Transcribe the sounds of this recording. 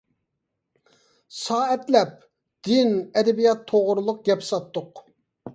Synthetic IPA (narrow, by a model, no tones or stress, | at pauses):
sɑːɛt̪lɛp̚ | d̪̥ɪnɛd̪ɛbijɑt̪ʰːoʁʊɾulˠʊq̚ɡʲɛpsɑt̪ːʊq